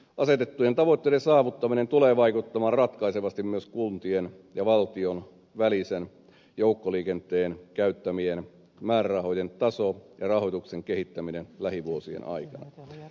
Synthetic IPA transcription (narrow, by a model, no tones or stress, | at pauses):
ʔɑset̪et̪ːujent̪ɑʋot̪ːeiɾesɑːʋut̪ːɑminent̪uleːʋɑikut̪ːɑmɑːrrɑt̪kɑiseʋɑst̪immyøskunt̪ien | jɑʋɑlt̪ion | ʋælisen | joukːoliːkent̪ˑeːnkæyt̪ːæmien | mæːrærɑho̞jent̪ɑsojɑrɑhojt̪ukseŋkehit̪ːæminenlæhiʋuosiḛnʔɑ̰ikɑnɑ̰